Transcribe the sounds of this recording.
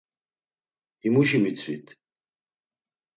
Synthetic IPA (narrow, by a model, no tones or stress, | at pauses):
imuʃimit͡sʰvḭt̪ʰ